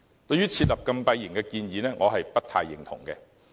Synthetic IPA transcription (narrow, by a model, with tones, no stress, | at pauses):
t̪ɵ˧ɥyː˥t͡sʰiː˧t̚lɐ˨p̚kɐ˧mpɐ˧jːɪ˨˩ŋkɛ˧kiː˧njiː˨nɛː˥ŋʔɔː˨˧ɦɐ˨jpɐ˥t̚t̪ʰaː˧jːɪ˨˩ŋt̪ʰʊ̰˨˩ŋkɛ̰˧